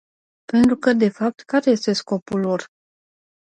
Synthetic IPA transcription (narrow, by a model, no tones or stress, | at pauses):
pe̞nt̪ɾukəd̪e̞fap̚t̪kaɾe̞je̞st̪e̞sko̞pulːor